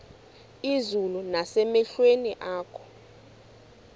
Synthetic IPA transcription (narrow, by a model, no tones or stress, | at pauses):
izulunasɛmɛɬweniʔaːkʰɔ̥